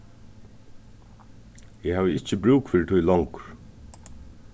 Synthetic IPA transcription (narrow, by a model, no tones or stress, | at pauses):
jɛhaːvəɪcːəbɾuːkfɪːɾɪt̪ʰujlɔŋkɾ̥